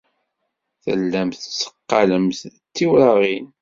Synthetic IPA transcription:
θə̰lːæmθət͡sːə̥qːɑləmθt̪ːiwɾɑʁin

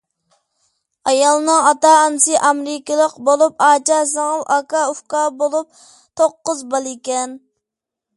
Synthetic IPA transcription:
ɑjɑlˠnɨŋɑt̪ɑːnɨsɨʔɑmɾɪkʲəlˠəqbolˠupɑːt͡ʃɑsɨŋəlˠʔɑkɑuhkɑbolˠup̚ | t̪ʰoqːʊzbɑlˠikʲɛn

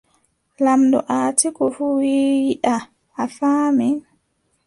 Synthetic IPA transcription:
lamdɔ̰ʔaːtikɔfuwiiɗaː | faːmɛ

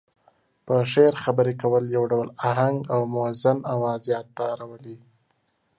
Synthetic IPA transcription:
pəʃeɾxabəɾekawəljawɖawlaɦaŋɡawmoazanawɑzjɑt̪ːaːɾawəli

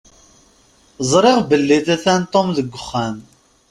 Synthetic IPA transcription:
zˤɾˤeʁbəlːiθæθænt̪ˤːomðəɡʷəχːæn

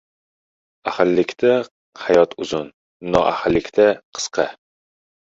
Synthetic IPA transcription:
æχɪlːɪkʲt̪ʰɛ | hæjɒt̪ʰuzun | nɒ̰ʔæ̰hɪlːɪkʲt̪ʰɛqʰə̥sqʰɑ

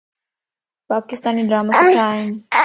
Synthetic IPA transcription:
paːkɪst̪aːniɖɾaːmasit̪ʰaːɦɪn

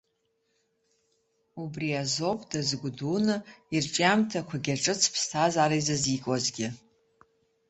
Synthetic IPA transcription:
ubriazo̞pʼdazɡʷdunɨirʈ͡ʂʼamtʰakʷʰaɡʲaʈ͡ʂʼɨt͡sʰpʰstʰazaɾajzazikʼozɡʲɪ

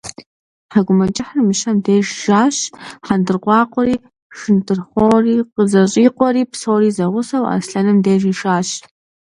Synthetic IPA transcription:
ħaɡʷʊmɐt͡ʃʼɪħɐrmɨʃɐmdeːʒʒaːɕħandɨrqʷɑːqʷʼɔɾiː | ʂɨntʰɨrχʷoːriːqəzɐɕʼiːqʷʼɔɾiːpsoːɾiːzɐʁʷʊsɐwa̰sɬɐnɨmdejʒiːʂaːɕ

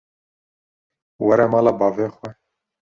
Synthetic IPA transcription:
wɛɾɛmɑːlɑbɑːveːxwɛ

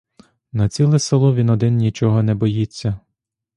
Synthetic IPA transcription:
nɐt͡sʲilˠɛselˠɔʋʲinɔd̪ɪnnʲit͡ʃɔɦɔnɛbɔjit͡sʲːɐ

